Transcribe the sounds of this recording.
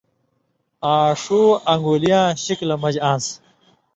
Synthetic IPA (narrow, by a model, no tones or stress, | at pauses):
aːʂuːɐŋɡuːlijãːɕiklɐmɐd͡ʑãːs